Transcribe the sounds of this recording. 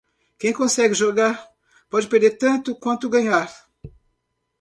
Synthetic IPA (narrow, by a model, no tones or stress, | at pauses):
kẽj̃kõsɛɡɪʒoɡaɾ | pɔd͡ʒɪpeɾd̪eɾt̪ɐ̃nt̪ʊkwɐ̃nt̪ʊɡɐɲaɾ